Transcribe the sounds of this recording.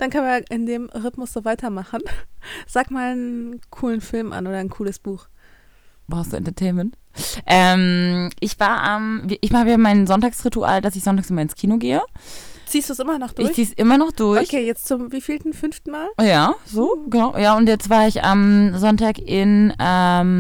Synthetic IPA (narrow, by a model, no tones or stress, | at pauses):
d̥ankʰœnviːʔɪndeːmʁɪtmʊsz̥oːvaɪtɐmaχn̩z̥aːkmaːlnkʰuːlənfɪlmʔa̰nʔoːɾɐnkʰuːləsb̥uːx | b̥asd̥ṵːɛ̰ntɐtʰeɪnmɛnt | ʔɛmʔɪçv̥aːɐʔamviːʔɪçvaabamaɪnzɔntaːksʁituʔa̰ːldasɪçz̥ɔntaːksʔmaɐlɪnskʰiːnoɡeːət͡siːstd̥uːsʔɪmɐnɔχd̥ɪçɐçt͡siːsʔɪmɐnɔχd̥ʊɐoçkʰeːjɛt͡st͡sʊmviːfiːltn̩fʏnftn̩maːljaːzoːɡənaʊjaːʊntjɛt͡stv̥aːɐɪçʔa̰mzɔntaːkʔɪnɛm